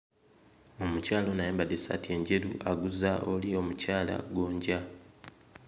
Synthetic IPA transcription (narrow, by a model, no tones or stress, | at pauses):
o̞mucaːlo̞najeːmbadesa̰tie̞ɲɟe̞ɾuʔaɡuzaʔolio̞mucaːla̰ɡwo̞ːɲɟa